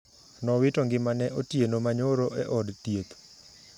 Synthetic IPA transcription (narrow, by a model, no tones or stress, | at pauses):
nɔwɪtoŋɡɪmanɛʔotjenomaɲoɾoʔɛʔɔdtjet̪